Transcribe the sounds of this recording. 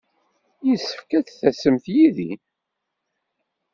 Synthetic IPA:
jisːə̥fkæθθæsəmθjiðḭ

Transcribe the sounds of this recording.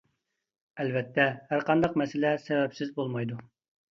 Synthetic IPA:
ɛlvɛt̪ʰːɛhæɾqʰɑnd̪ɑqmɛsɪlɛsɛvɛpsɪzbolˠmɑjd̪u

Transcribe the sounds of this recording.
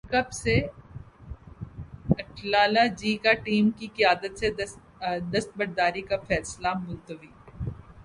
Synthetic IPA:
kɐpse | ɐʈʰlaːlad͡ʒiːkaʈiːmkikɪjaːd̪ət̪se | d̪ɐst̪̚bɐɾd̪aːɾikafɛːslamʊlt̪əʋiː

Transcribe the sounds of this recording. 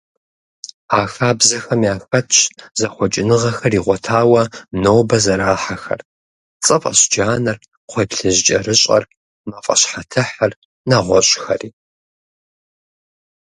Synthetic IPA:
aːxaːbzɐxɐmijaːxɐtʰɕzɐχʷɔt͡ʃʼɪnɨʁɐxɐriːʁʷɔtʰaːwɐnoːbɐzɐɾaːħaxɐ̰r | t͡sʼɨfʼɐ̰ɕd͡ʒaːnɐr | qʷʰeːpɬɨʑt͡ʃʼɐrɨɕʼɐ̰r | mɐfʼɐ̰ɕħatʰɨħar | naʁʷɔɕʼxɐriː

